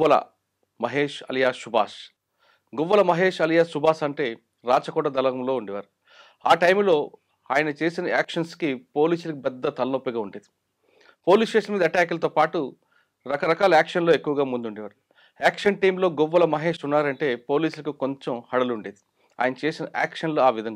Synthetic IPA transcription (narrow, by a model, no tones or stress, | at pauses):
ɐlɐ̰ | mɐɦe̞ːʂɐ̰lɐjaːʃubʱaːʃ | ɡɔʋːɐlɐmɐɦeːʂɐlɐjaːʃubʱaːʃɐɳʈe̞ː | ɾaːt͡ʃɐkɔːʈɐd̪ɐlɐɡɐmlo̞ːuɳɖiʋa̰ːɾu | aːʈɐjmlo̞ː | aːjɐnɐt͡ʃe̞ːsinɐaːkʂɐnskipo̞ːliːsulɐkipɛd̪ːɐt̪ɐlɐnopːiɡaːuɳɖeːd̪i | po̞ːliːsʈeːʂɐnɐmiːd̪ɐʈaːkɐlɐt̪oːpaːʈu | ɾɐkɐɾɐkaːlɐaːkʂɐnlo̞ːekːuʋɐɡaːmund̪uɳɖiʋaːɾu | aːkʂɐnʈɐjmlo̞ːɡɔʋːɐlɐmɐɦe̞ːʂunːaːɾɐɳʈe̞ːpo̞ːliːsulɐkikoɲt͡ʃɐmhɐɽɐluɳɖeːd̪̥i̥ | a̰ːjɐnɐt͡ʃe̞ːsinɐʔa̰ːkʂɐnloːaːʋid̪ʱɐŋ